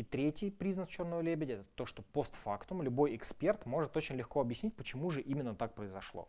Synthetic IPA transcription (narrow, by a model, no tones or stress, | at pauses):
ɪt̪ɾʲetʲɪjpɾʲiznək̪t͡ɕo̞rnojlʲebʲɪdʲɪɛt̪əət̪o̞ʂt̪o̞po̞st̪fakt̪ʊmlʲʊbo̞jɪkspʲe̞rt̪mo̞ʐɨt̪ot͡ɕɪnʲlʲɪxko̞ɐbjɪsʲnʲit̚ʲpət͡ɕɪmuʐɨʔimʲɪnːət̪ak̚pɾəɪzɐʂlˠo̰